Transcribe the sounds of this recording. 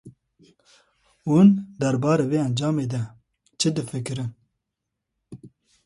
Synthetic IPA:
hund̪ɛɾbɑːɾeveːɛnd͡ʒɑːmeːd̪ɛ | t͡ʃʰɨd̪ɨfɨkɨɾɨn

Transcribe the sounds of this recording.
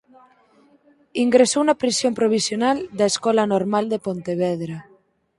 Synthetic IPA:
iŋɡɾesounapɾisjompɾoβ̞isjonald̪aeskɔlanoɾmald̪epont̪eβɛðɾa

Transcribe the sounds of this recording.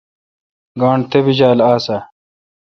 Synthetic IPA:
ɡaːɳɖt̪ʰebid͡ʑaːlaːsa

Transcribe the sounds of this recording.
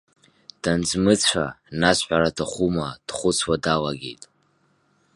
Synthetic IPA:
d̥and͡zmɨt͡sʷʰa̰nasʷħʷᶣaɾadʰaχʷumad̥χʷʊt͡sʰwadalaɡʲḛjtʼ

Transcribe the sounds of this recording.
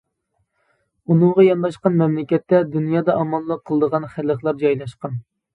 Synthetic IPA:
unʊŋʁɑjɑnbɑʃqɑnmɛmlɪkʲɛt̪ːɛd̪unjɑːd̪ɑʔɑmɑlˠːəqʰːəlˠəd̪əʁɑnχæləχlˠɑɾd͡ʒɑjlˠɑʃqɑn

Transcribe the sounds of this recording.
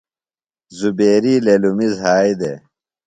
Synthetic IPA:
zubeːɾiːleːlumizhaːid̪ḛ

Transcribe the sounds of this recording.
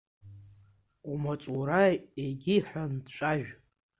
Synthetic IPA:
umat͡ʃʷʼuɾajeɡʲiħʷant͡ʃʷʰʼaʒᶣ

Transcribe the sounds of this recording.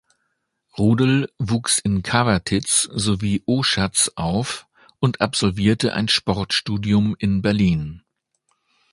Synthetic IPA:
ʁuːdl̩vuːksɪnkʰavɐɐtʰɪt͡sz̥oviːʔoːʃat͡sʔaʊf | ʔʊntʔapz̥ɔlviːɐtəʔa̰ɪnʃpɔʁtʃtuːdiʊmʔɪnbɛɐliːn

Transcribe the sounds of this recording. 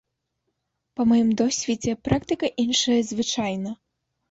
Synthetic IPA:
pɐmɐjɨmd̪ɔsʲvʲɛt͡sʲɛpɾakt̪ɨkɐʔinʂɐjɐzvɨt͡ʂajnɐ

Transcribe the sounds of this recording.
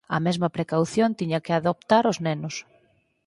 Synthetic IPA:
ɐ̰mezmɐpɾekawθjont̪iɲɐkɪaðop̚t̪aɾʊznɛnʊs

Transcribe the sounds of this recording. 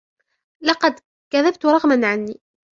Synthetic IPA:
lɑqɑd̪ | kæðæbt̪uɾˤɑʁmənʕanːi

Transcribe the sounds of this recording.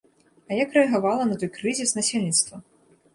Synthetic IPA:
ɐjakɾɛɐɣavalˠɐnɐt̪ɔjkɾɨzʲisnasʲelʲnʲit̪st̪vɐ

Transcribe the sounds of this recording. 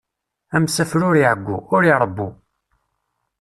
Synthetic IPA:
æmsæfɾʊɾiʕəɡʷːṵʊɾiɾˤəbːu

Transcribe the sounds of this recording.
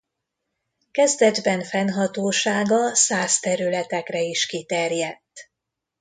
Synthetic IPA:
kɛzd̪ɛd̪bɛnfɛnɦɒt̪oːʃaːɡɒsaːst̪ɛɾylɛt̪ɛkrɛiʃkit̪ɛrjɛt̪ː

